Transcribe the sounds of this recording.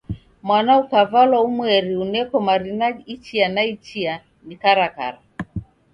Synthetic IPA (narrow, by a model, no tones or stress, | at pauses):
mwanaukavalwaumwɛɾiunɛkɔmaɾinait͡ʃianait͡ʃia | nikaɾaka̰ɾa